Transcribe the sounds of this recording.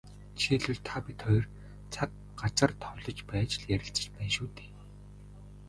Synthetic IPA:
t͡ɕʰiɮuɮt̪ʰapʲit̪χɔjr | t͡sʰat̪̚ | ɢat͡sə̆rt̪ʰɔɮɞ̆t͡ɕpæːt͡ɕɪɮjæɾʲɪ̆ɬt͡sə̥̆t͡ɕpæːnʃuːt̪e̥ː

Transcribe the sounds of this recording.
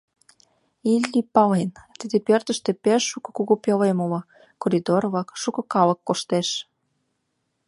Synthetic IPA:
ilʲːipɑlent̪id̪epørt̪ə̆ʃt̪ĕpeʃːukɤ̥̆kuɣupjelemolo | koɾid̪orβɑkʃukɤ̆kɑlɤkːoʃt̪eʃ

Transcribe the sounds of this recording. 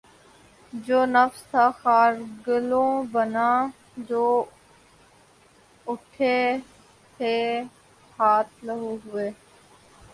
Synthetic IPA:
d͡ʒoːnəfst̪ʰaːxaːɾɡəlõːbənãː | d͡ʒoː | ʊʈʰeː | t̪ʰeː | haːt̪̚ʰləɦuːɦʊeː

